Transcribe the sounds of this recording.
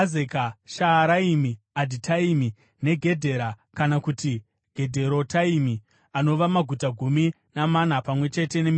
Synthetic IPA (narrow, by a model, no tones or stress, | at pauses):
ekaʃaːɾaimi | adʱitʰaimi | ne̞ɡʱe̞dʱe̞ɾakanakuti | ɡ̥ʱe̞dʱe̞ɾotaimi | ano̞ʋamaɡʱutaɡʱumi | naman̤apamwe̞t͡ʃe̞te̞ne̞m